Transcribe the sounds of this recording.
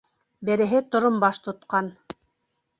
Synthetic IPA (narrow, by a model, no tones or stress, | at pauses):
bɘ̆ɾɘ̆ɦɘt̪ŏɾombɑʃt̪ŏt̪qɑn